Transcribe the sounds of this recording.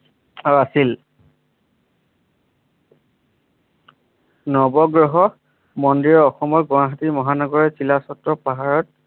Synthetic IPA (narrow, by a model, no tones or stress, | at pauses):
aasil | nɔbɔɡɹɔɦɔ | mɔndiɹɔɔxɔmɔɹɡwaɦatimɔɦanɔɡɔɹɛsilasɔtɹɔpaɦaɹɔt̚